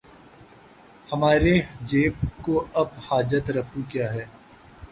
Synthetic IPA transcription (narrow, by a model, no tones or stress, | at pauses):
hɐmaːɾed͡ʒeːp̚koɐb̚haːd͡ʒət̪ɾɐfukjaːɦɛː